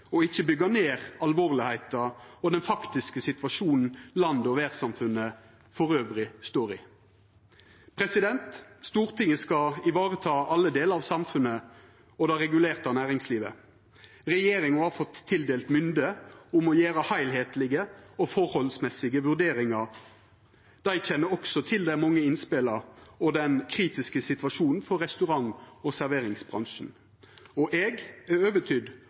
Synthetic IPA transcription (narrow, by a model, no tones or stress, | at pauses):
ɔɪçːəbʏɡɑneːʁɑlʋoːʁlɪhæɪt̪ɑɔd̪ɛnfɑkt̪ɪskəsɪt̪ʋɑʂuːnn̩lɑnd̪ɔʋæːʁsɑmfʉnːə | fɔʁøːʋʁɪst̪oːʁɪ̰ | pʰʁɛsɪd̪ɛnt̪st̪uːʁt̪ʰɪŋːəskɑɪʋɑːʁət̪ʰɑːʔɑlːəd̪eːləɑʋsɑmfʉnə | ɔd̪ɛɾɛɡʉleːʁt̪ɑnæːʁɪŋsliːʋə | ʁɛjeːɾɪŋɑhɑfɔt̪ʰːɪld̪eːlt̪mʏnd̪əʊmɔjeːɾəhæɪlɦeːt̪lɪɡəɔfɔɾhɔlsmɛsɪɡəʋʉʁd̪eːɾɪŋɑ | d̪̥æɪçɛnːəɾɔksɔt̪ʰɪld̪ɛææmɑŋːəɪnspɪləɔd̪ɛnkʰɾiːt̪ɪskəsɪt̪ʋɑʂuːnn̩fɔɾːɛst̪ʉʁɑŋɔsæɾʋeːɾɪŋsbʁɑ̰ŋʂn̩ | ɔʔɛɡæøːʋət̪ʰʏd̪